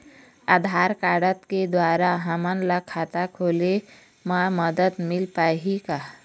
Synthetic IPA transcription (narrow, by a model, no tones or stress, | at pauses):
aːd̪ʱaːɾkaːɽət̪ked̪waːɾaɦəmənləkʰːaːt̪akʰoːle | maməd̪ət̪mɪlpaːɦikaː